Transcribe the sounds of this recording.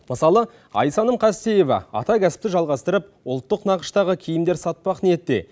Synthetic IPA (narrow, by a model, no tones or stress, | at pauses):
məsɑlˠə | ɑ̰jsɑnəmqʰɑst̪e̞je̞vɑ̰ɑ̰t̪ɑkʲʰæsɪ̥p̚t̪ɪʒɑlˠʁɑst̪əɾəp̚ʊlˠt̪ːəqnɑqə̥ʃt̪ɑʁəkʲʰejɪmd̪e̞ɾsɑt̪̚pɑqnijet̪ːe̞̰